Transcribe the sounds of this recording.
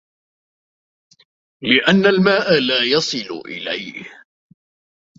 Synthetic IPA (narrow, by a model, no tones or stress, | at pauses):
lɪʔanːalmaːʔalaːjɑsˤɨlʊ̰ʔɪ̰la̰jh